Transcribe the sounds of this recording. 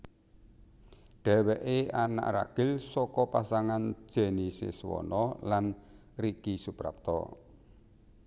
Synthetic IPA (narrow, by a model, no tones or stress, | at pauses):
ɖ̥ɛ̤wɛʔeana̰ʔra̰ɡ̥ɪlsɔkɔpasaŋan̥ʒ̥ɛ̤nisḛswɔ̰nɔlan | rikisupɾa̰p̚t̪ɔ̰